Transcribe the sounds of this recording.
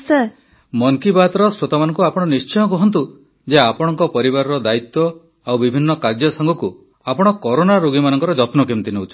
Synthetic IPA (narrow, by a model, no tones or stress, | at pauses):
se | mɔŋkibat̪ɾɔsɾot̪amanɔŋkuapɔɽ̃ɔnist͡ʃɔjɔkɔɦɔnt̪̬u | d͡ʒeapɔɽɔŋkɔpɔɾiβaɾɔɾɔd̪ait̪ːɔ | awbibʱinːɔkaɾd͡ʒɔsaŋɡʱɔku | apɔɽ̃ɔkɔɾonaɾoɡimanɔŋkɔɾɔd͡ʒɔt̪mɔkimt̪ineut͡ʃʰɔ